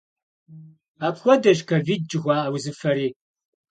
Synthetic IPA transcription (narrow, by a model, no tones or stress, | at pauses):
aːpxʷɔdɐʒkʰɐviːd̚d͡ʒɪɣʷɑːawzɨfɐɾiː